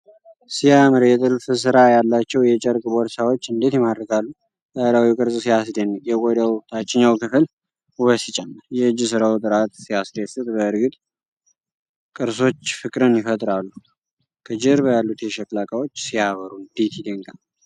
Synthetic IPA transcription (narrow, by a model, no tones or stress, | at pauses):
sijamɨɾjɛt̪ʼɨlfɨs̬ɨɾajalːat͡ʃːɛwjɛt͡ʃʼɛɾkʼbɔɾsawo̞t͡ʃːɨnd̪e̞t̪jɛmad̪ɾəkalːu | zaɾawiwkʼɨɾsʼsijas̬d̪enːkʼjɛkʼojd̪əwt̪ʰat͡ʃːɪɲːawkʰɨfɨl | wəsit͡ʃʼɛmːɨɾjɛɨd͡ʒis̬ɨɾawt̪ʼɨɾat̪sijasd̪esɨt̪ʼbəɨɾɡɨt̪ʼ | kʼɨɾso̞t͡ʃːfɨkʼɾɨnjɪfət̪ʼɾalːu | kʰəd͡ʒɪɾbjalːut̪jɛʃɛklakʼawo̞t͡ʃːsijaβəɾund̪et̪ʰid̪əŋkʼa